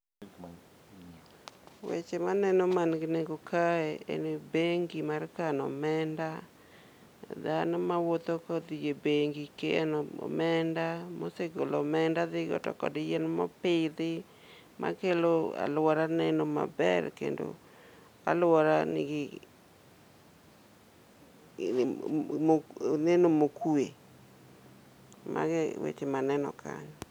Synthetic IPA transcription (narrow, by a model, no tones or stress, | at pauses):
wḛt͡ʃemanɛnɔmanɡɪneɡokʰaeḛnebeŋɡimarkanɔ̰mɛnda | d̪anɔmawot̪okɔd̪ijebeŋɡikeanɔ̰mɛndamo̰seɡolɔmɛndad̪ɪɡɔ̰tɔ̰kɔ̰dɪjɛnmɔpɪd̪ɪ | mʔa̰keloa̰lwɔɾanɛnɔma̰bɛɾkḛndo̰ | a̰lwɔɾaniɡɪ | monɛnomokue | mʔa̰ɡɛwḛt͡ʃemanɛnɔ̰kʰa̰ɲɔ